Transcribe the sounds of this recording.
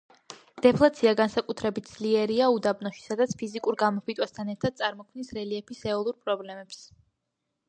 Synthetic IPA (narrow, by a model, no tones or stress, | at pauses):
d̪̥ɛpʰlˠat̪sʰiaɡansakʼut̪ʰɾɛbit̪̚ʰd̪zliɛɾiaud̪abnɔʃi̥sad̪at̪sʰpʰizikʼuɾɡamɔpit̪ʼwast̪ʰanɛɾt̪ʰad̪̥̚t̪sʼaɾmɔkʰmnisɾɛliɛpʰisɛɔlˠuɾpʼɾɔblɛmɛps